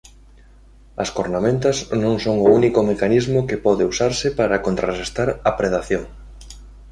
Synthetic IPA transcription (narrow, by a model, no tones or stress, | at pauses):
ɐ̰skoɾnamẽnt̪ɐznõŋsoŋʊunikomekanizmʊkepɔðeusaɾsɪpaɾakont̪ɾa̰rest̪aɾɐpɾeðaθjoŋ